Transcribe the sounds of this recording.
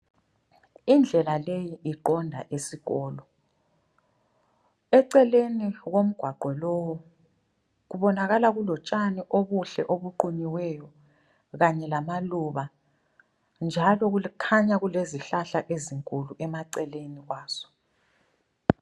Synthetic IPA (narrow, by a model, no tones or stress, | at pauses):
ind͡ɮʱɛlalejiʔiǃɔndʱa̰ʔesiɣɔːlɔ | ɛǀɛleniɣom̩ɡ̥ʱwaɡ͡ǃʱwɛlɔwɔ | ɣuβɔnaɣalaɣulɔt͡ʃʼaniʔoβuɬɛ̰ʔoβuǃuɲiwɛjɔ | ɣaɲɛlamaluβa | nd͡ʒʱalɔɣukʰaɲaɣuleziɬaɬaʔeziŋkʼuluʔɛmaǀɛleniɣwaːz̥ɔ̥